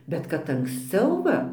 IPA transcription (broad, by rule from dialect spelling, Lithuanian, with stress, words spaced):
bʲɛt kɐt ɐŋksʲˈt͡sʲɛʊ ˈʋɐ